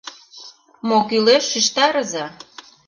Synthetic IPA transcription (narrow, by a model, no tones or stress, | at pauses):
mokyleʃːiʃt̪ɑɾə̆zɑ